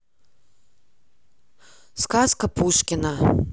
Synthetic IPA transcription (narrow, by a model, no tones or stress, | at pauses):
skaskɐpuʂkʲinɐ